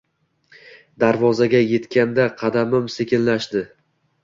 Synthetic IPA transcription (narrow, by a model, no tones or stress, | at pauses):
d̪aɾvɒzaɡʲaje̞t̪kʲand̪aqʰɑd̪amɪmsekʲɪnlaʃd̪ɪ